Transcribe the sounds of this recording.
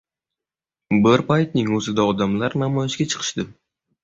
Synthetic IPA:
bɪɾpajt̪̚nɪŋɵzɪd̪aɒd̪amlaɾnamɒjɪʃɡʲat͡ʃʰɨ̥qʰɨ̥ʃd̪ɪ

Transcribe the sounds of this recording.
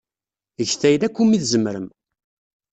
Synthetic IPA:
əʝθæjlækʷːumiθzəmːɾəm

